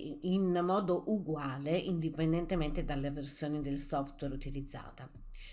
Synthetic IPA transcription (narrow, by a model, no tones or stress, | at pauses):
inmɔːd̪oʔuɡwaːleind̪ipend̪ent̪ement̪ed̪alːeversjoːnid̪elsɔft̪wɛɾut̪ilid̪zːa̰ːt̪a